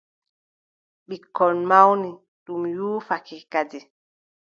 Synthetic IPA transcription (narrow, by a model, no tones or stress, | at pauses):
ɓikɔnmawni | ɗumjuːfakikadi